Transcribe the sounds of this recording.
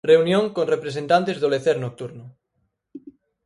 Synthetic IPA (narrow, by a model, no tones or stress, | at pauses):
reunjõŋkoŋrepɾesent̪ant̪ezðoleθeɾnok̚t̪uɾnʊ